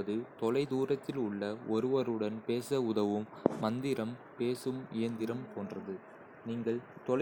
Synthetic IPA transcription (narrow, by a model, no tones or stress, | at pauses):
ɐðɯt̪ɔlɐɪd̪uːɾɐt̪ːɪlʊɭːɐɔɾɯʋɐɾɯɽɐnpeːsɐʊðɐʋɯmːɐnd̪ɪɾɐm | peːsɯmɪjɐnd̪ɪɾɐmt̪oːndrɐðɯ | niːŋɡɐɭt̪ɔl